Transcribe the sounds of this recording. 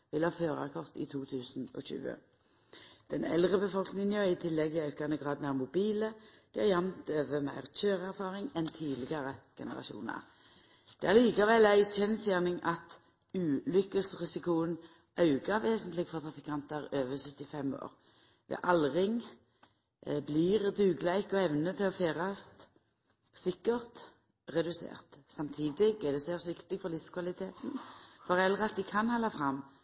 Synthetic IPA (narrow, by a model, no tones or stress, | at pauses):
ʋɪlhɑːføːʁæ̰kʰɔʁt̪ḭːt̪ʰuːt̪ʰʉːsn̩ɔ̰ɕʉ̰ːə̰ | d̪̥ɛnɛ̰lʁəbəfɔlknɪŋnjøɪt̪ʰɪlːɛɡiɑʉkɑnəɡʁɑːd̪mæːʁmʊbiːləd̪̥ihæʁjɑmt̪øːʋəmæɪʁc͡çøːʁæʁfɑːʁɪŋɛnt̪ʰiːlɪɡɑʁəɡ̥ɛnəʁɑ̰ʃṵːnə̰ʁ | d̪̥ɛæʁliːkɑʋɛlæɪtɛnsjæːʁnɪŋʔɑt̪ | ʉːlʏkːəsʁɪsɪkʊən | ʔɑʉɡəʋeːsənt̪lɪɡfɔʁt̪ʰʁɑfɪkʰɑnt̪əʁøːʋəsœt̪ːɪfɛmo̰ːʁ | ʋḛʔɑlʁɪŋ | bliʁd̪ʉːɡlæɪkɔɛʋnət̪ʰɪlɔfeːʁɑst̪ | sɪkːəʁt̪ | ʁɛd̪ʉsḛːʁt̪sɑmt̪ʰiːd̪ɪɡæd̪ɛseːʁsʋɪkt̪ɪɡfɔʁlɪfskʰʋɑlɪt̪ʰeːt̪n̩fɔʁɛlːəʁɑt̪̚d̪ɪkʰɑnhɑlːɑfʁɑmː